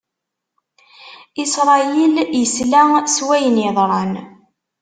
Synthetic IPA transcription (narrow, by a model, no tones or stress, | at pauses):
isɾˤɑjiljəslæswæjənɪðˤɾˤɑn